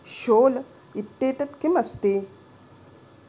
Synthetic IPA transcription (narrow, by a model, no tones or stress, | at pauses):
ʃoːl | it̪ːeːt̪ɐt̪kimɐst̪iː